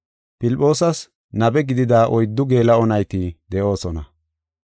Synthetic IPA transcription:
pɪlpʼːo̞ːsɐs | nɐbɛɡɪd̪ɪd̪aːʔɔjd̪ːʊɡe̞ːlɐɔnɐjt̪id̪ɛʔo̞ːsɔnɐ̰

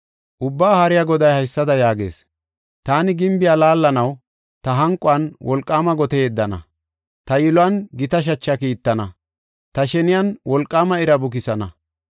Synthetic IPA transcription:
ʔʊbːaːhɐɾɪjaɡɔd̪ɐjhɐjsːɐd̪ɐjaːɡḛːs | t̪aːnɪɡɪmbɪjaːlaːlːɐnɐw | t̪ɐɦɐŋkʼːʊɐnwɔlkʼːaːmɐɡɔt̪ed̪ːɐnɐ̰ | t̪ɐjɪlʊɐnɡɪt̪ɐʃ̬ɐt͡ʃːɐkiːt̪ːɐnɐ | t̪ɐʃɛnɪjanwɔlkʼːaːmɐɪɾɐbʊk̬ɪsɐnɐ

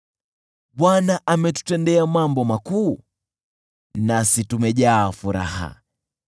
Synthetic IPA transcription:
ɓwanaʔamɛtu̥tɛndɛamambɔmakuː | nasitumɛʄaːfuɾa̰ha̰

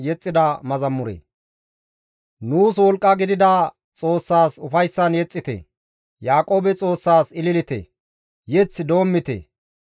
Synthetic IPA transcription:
jɛt͡sʼːɪd̪ɐmɐzɐmːʊɾḛː | nuːswɔlkʼːɐɡɪd̪ɪd̪ɐ | t͡sʼo̞ːsːaːsʊfɐjsːɐnjɛt͡sʼːɪt̪ɛ̰ | jaːkʼo̞ːbɛt͡sʼo̞ːsːaːsɪlɪlɪt̪ḛ | jɛt͡sːd̪o̞ːmːɪt̪ḛ

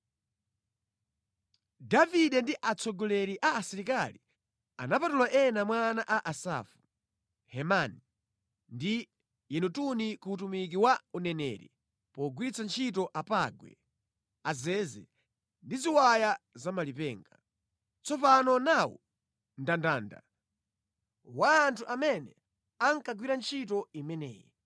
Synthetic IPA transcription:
daviɗɛndiʔat͡sʰɔɡɔlɛɾiʔaːsiɾikali | a̰napatulwaʔɛnamwanaʔaʔasa̰fu̥ | hɛmani | ndi | jɛnutunikuutumik̬iwaunɛnɛ̰ːɾɛ̰ | pɔɡwiɾit͡sant͡ʃʰit̬ɔʔapaɡwɛ̰ | azɛzɛ̰ | ndiziwajazamalipɛːŋɡa | t͡sɔpanɔnawṵ | ndandaːnda̰ | waːntʰuʔamɛnɛ | aŋkaɡwiɾant͡ʃʰit̬ɔimɛnɛ̰ːjɛ

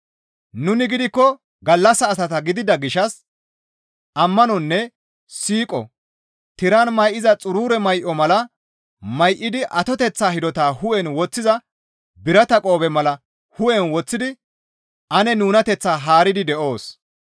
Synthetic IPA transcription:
nʊnɪɡɪd̪ɪkːɔ | ɡɐlːɐsɐːsɐt̪ɐɡɪd̪ɪd̪ɐɡɪʃɐs | ʔɐmːɐnɔnːɛ | siːkʼɔ̰ | t̪ɪɾanmɐjʔɪzɐt͡sʼʊɾuːɾɛmɐjʔɔmɐlɐ | mɐjʔɪd̪ɪʔɐt̪ɔt̪ɛt͡sːaːhɪd̪ɔt̪aːhʊʔɛnwɔt͡sːɪzɐ | bɪɾɐt̪ɐkʼo̞ːbɛmɐlɐ | hʊʔɛnwɔt͡sːɪd̪ɪ | ʔɐnɛnuːnɐt̪ɛt͡sːaːɦaːɾɪd̪ɪd̪ɛʔo̞ːs

